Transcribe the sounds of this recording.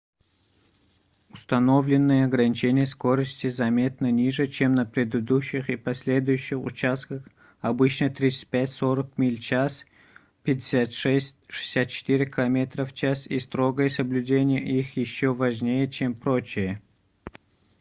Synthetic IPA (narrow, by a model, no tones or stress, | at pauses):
ʊst̪ɐnovlʲɪnːɨjəɐɡɾənʲɪt͡ɕenʲɪjəsko̞ɾəsʲtʲɪzɐmʲe̞t̪̚nənʲiʐɨt͡ɕemnəpɾʲɪd̪ɨd̪uɕːɪxipɐsʲlʲe̞d̪ʊjʊɕːɪxʊ̰t͡ɕast̪kəx | ɐbɨt͡ɕnət̪ɾʲit̪sɨ̥t̚ʲpʲætʲsoɾəkmʲilʲt͡ɕas | pʲɪdʲɪsʲat̪ʂɛsʲtʲʂɨ̥sʲat̪̚t͡ɕɪ̥t̪iɾʲɪkʲɪlˠɐmʲe̞t̪rəft͡ɕasist̪ɾo̞ɡəjəsəblʲʉdʲenʲɪjəʔixjɪɕːovɐʐnʲejət͡ɕʰempɾot͡ɕɪjə